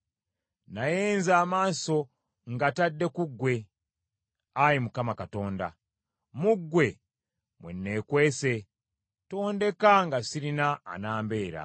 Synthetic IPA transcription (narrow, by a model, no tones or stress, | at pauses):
najeːnzaːmaːso̞ | ŋɡatadːe̞kuɡwe̞ | ajimukamakato̞ːnda̰ | muɡwe̞ | mwḛnːe̞ːkwe̞ːse̞ | to̞ːnde̞kaŋɡasiɾina̰ːnaːmbe̞ːɾa̰